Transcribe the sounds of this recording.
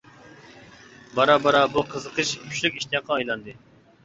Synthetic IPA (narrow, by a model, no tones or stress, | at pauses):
bɑɾɑbɑɾɑbuqʰəzəqʰəʃpʰy̥ʃlykʲiʃt̪ijɑqʰːɑːjlˠɑnd̪ɨ